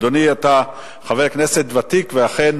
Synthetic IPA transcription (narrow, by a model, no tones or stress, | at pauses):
d̪oniat̪a | χavekne̞se̞t̪vat̪ikveaχe̞n